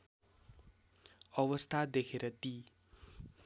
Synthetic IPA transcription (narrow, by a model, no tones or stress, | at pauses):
ʌwʌst̪ʰad̪ekʰeɾʌt̪i